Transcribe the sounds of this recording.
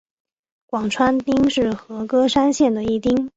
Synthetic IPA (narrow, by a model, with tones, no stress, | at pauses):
kwɑ˨˩ŋʈ͡ʂʰwa˥nt̪i˥ŋʂɻ̩˥˩xɤ˧˥kɤ˥ʂa˥nɕjɛ˥˩nd̪ə˩i˥˩t̪i˥ŋ